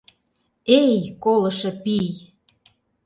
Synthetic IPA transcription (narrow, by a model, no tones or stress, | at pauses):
ejkolɤ̆ʃɤ̆pij